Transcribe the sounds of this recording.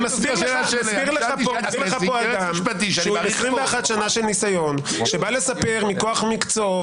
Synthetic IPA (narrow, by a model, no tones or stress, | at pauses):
masbisbiʁleχap | iʁleapoad̪ampat̪iʃʃumiχʁimveaχat̪ʃanaʃelnisajon | ʃebale̞sape̞ʁmikoaχmikt͡so